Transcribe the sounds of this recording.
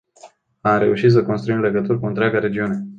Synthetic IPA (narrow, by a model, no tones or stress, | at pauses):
amɾe̞uʃit̪s̬əkonst̪ɾuimle̞ɡət̪urkuɨnt̪ɾʲaɡaɾe̞d͡ʒiune̞